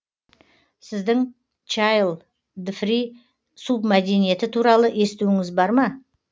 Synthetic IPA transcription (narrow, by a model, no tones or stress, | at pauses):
sɪzd̪ɪŋ | t͡ʃɑjlˠ | d̪fɾi | submæd̪e̞nije̞t̪ɪt̪ʰuɾɑlˠəʔest̪uɪŋɪzbɑɾmɑ